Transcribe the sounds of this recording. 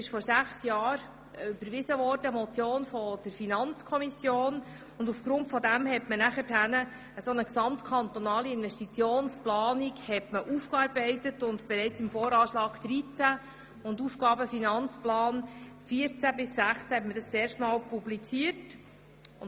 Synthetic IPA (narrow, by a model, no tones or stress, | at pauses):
ɪʃfɔɾsæχsjɑːɾ | əybəɾʋɪsəʋɔɾdəmɔt͡sjoːnfɔd̥əɾfinɑnt͡skʰɔmisjoːn | ʊndufɡ̥ɾʊntfɔdæmɦɛtmənæχətænə | əsɔnəksɑmt̪kʰɑnt̪ɔnɑːliɪnvɛʃtit͡sjoːnsplɑːnikhɛtməʔufkɑɾbɛɪt̪ətʊndb̥ɛɾɛɪt͡sɪmfɔːɾɑːʃlɑːɡ̥d̥̪ɾit͡sæ | ʊnduːfɡ̥ɑːbəfinɑnt͡splɑːnfiəɾt͡sæbɪsːæχt͡sæhɛtmədɑst͡sɛːɾʃtmɑːlpublit͡siəɾt | ʊ